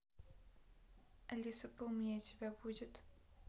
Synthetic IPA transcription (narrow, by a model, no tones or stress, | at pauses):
ɐlʲisəpomnʲatʲɪbʲabudʲɪt̪